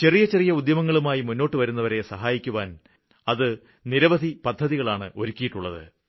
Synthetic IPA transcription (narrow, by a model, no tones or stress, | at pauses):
t͡ɕe̞rijɐt͡ɕe̞rijɐud̪jɐmɐŋːɐɭumaːjimunːo̞ːʈːɨʋɐɾunːɐʋɐɾe̞sɐɦaːjikʲːuʋaːn | ɐðɨ | niɾɐʋɐd̪ʱipɐd̪ʱːɐðiɣɐɭaːɳɨ̰ʔo̞ɾukʲːijiʈːuɭːɐðɨ̰